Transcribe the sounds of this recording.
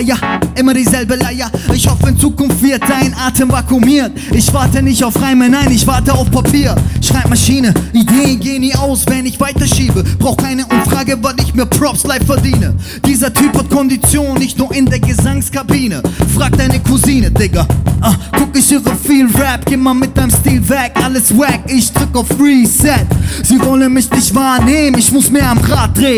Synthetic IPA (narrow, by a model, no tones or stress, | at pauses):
jaʔɪmɐdiːzɛlbəlajaɪçhɔfəɪnt͡suːkʊnftv̥ɪɐt̚z̥aɪnʔaːtʰəmvakʰumiːɐt | ʔɪçv̥aɐtənɪçtaʊfʁaɪmɛnaɪnɪçv̥aɐtəaʊfpʰapʰiːɐʃʁ̥aɪp̚maʃiːnəʔideːənɡeːəniːʔaʊsv̥ɛnɪçv̥aɪtɐʃiːbəb̥ʁaʊxkʰaɪnəʔʊmfʁ̥aːɡəvatɪçtmeːɐpʰʁ̥ɔpslaɪffɛɐdiːnə | d̥iːzɐtʰyːphat̚kʰɔndit͡sjoːnːɪçtnuːɐɪndeːɐɡəzaŋskʰabiːnəfʁ̥aːk̚d̥aɪnəkʰuziːnədɪkɐʔaɡ̥ʊkɪçiːʁəfiːlʁɛp̚ɡ̥eːmaːmɪt̚d̥aɪmstiːlvɛkʔaləsvɛkɪçd̥ʁɪkaʊfɹisɛtz̥iːvɔlənmɪçdɪçtv̥aːɐneːmənɪçmʊsmiːɐamʁaːt̚d̥ʁeː